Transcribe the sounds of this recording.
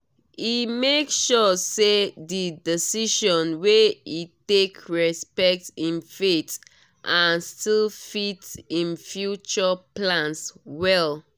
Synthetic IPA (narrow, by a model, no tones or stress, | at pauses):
imekʃɔsedidisiʃɔ̃nweitekʰɹɛspɛk̚tĩnfet | ʔãnstilfitsĩnfjut͡ʃɔplãnswɛl